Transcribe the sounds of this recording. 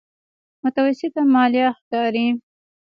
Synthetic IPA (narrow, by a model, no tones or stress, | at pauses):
mʊt̪awasɪt̪amɑlijɑxkɑɾi